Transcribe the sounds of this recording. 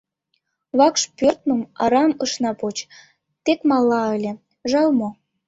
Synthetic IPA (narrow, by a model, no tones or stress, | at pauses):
βɑkʃpørt̪̚mə̆mɑ̰ɾɑməʃnɑpot͡ɕ | t̪ekmɑlːɑə̆lʲĕ | ʒɑlmo